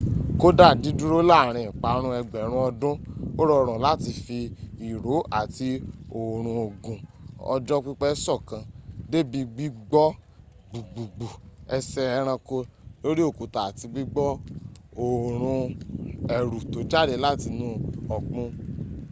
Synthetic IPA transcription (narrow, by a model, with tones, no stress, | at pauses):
ko˦da˦˨di˨˦du˦ɾo˦la˦˨ɾ̃ĩ˨k͡pa˨˦ɾ̃ũ˧ɛ˧ɡ͡bɛ˨ɾ̃ũ˧˦ɔ˧dũ˦o˦ɾɔ˦˧ɾ̃ũ˨la˦˨ti˧fi˧i˨ɾo˨˦a˨ti˧o˨ɾ̃ũ˧o˨ɡũ˨ɔ̰˧d͡ʒɔ˦k͡pi˦k͡pɛ˦sɔ˦˨kã˧de˦˨bi˧ɡ͡bi˦ɡ͡bɔ˦ | ɡ͡bu˨ɡ͡bu˨ɡ͡bu˨ɛ˧sɛ˧ɛ˧ɾ̃ã˧ko˧lo˦ɾi˦o˦˨ko˨ta˨ti˧ɡ͡bi˦ɡ͡bɔ˦o˨ɾ̃ũ˧ | ɛ˨ɾu˨to˨˦d͡ʒa˦˨de˧la˦˨ti˧nũ˦ɔ˨k͡pũ˧